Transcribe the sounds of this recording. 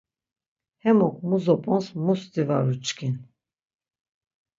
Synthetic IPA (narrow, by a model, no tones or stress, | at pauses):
hɛmɔkʰʼmuzɔpʼɔnsmust̪ivaɾut͡ʃkʰin